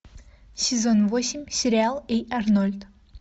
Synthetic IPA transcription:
sʲɪzonvosʲɪmʲsʲɪɾʲɪalˠejɐrnolʲt̪

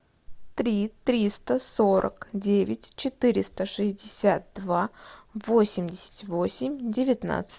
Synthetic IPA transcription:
t̪ɾʲit̪ɾʲist̪əsoɾʔə̰kdʲevʲɪtʲt͡ɕɪt̪ɨɾʲɪst̪əʂɨzʲdʲɪsʲat̪̚d̪vavo̞sʲɪmʲdʲɪsʲɪ̥tʲvosʲɪmʲdʲɪvʲɪt̪na̰t̪sɨ̥

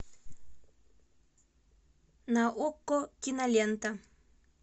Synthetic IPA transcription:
naʔokːokinalʲent̪a

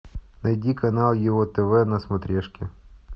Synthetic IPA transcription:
nɐjdʲikɐnɑlˠjɪɔt̪ɛvɛnɐsmɐt̪ɾʲɛʂkʲɪ

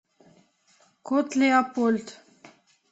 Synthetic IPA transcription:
kot̪leapolt̪

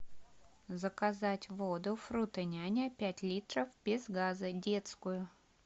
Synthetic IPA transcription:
zəkɐzatʲvod̪ʊfɾut̪ənʲanʲapʲætʲlʲit̪ɾəfbʲɪzɡazədʲet̪skʊjʊ

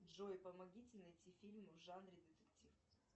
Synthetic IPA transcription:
ʐojɪpəmɐɡʲitʲɪnɐjtʲifʲilʲmɨvʐanɾʲɪd̪ʲɨt̪ɨktʲif

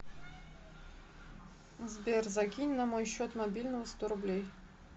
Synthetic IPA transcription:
zbʲerzɐkʲinʲnɐmojɕːot̪mɐbʲilʲnəvəst̪oɾʊblʲej

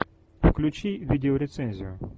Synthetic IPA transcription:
wklʲʊt͡ʃijʋʲidʲeɔɾʲet̪sɛnʲzʲḭjʊ

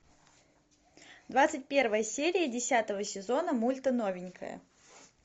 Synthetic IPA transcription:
d̪vat̪sɨtʲpʲe̞rvəjəsʲeɾʲɪjədʲɪsʲat̪əvəsʲɪzo̞nəmulʲt̪əno̞vʲɪnʲkʰə̰jə̰

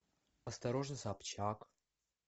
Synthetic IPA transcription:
ɐst̪ɐɾoʐnɨsapt͡ɕak

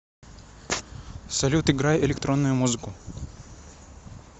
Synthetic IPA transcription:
sɐlʲut̪ɪɡɾajɛɪlʲɪkt̪ɾonːʊjʊmuzɨkʊ

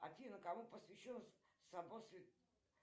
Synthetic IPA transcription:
a̰t̪ʲinəkamupəsvʲɪɕːonsɐbosʲɪt̪

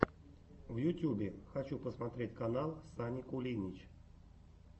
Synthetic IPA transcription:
vjʊtʲjubʲɪxat͡ɕupəsmat̪ɾʲetʲkanalˠsanʲikʊlʲinʲit͡ɕ

